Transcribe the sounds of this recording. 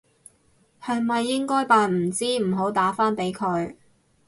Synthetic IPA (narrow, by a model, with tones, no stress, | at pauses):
hɐ˨jmɐ˨jːɪ˥ŋkɔː˥jpaː˨nm̩˨˩t͡siː˥m̩˨˩ɦo˨˥wt̪aː˨˥faː˥npe˨˥jkʰɵ˨˧ɥ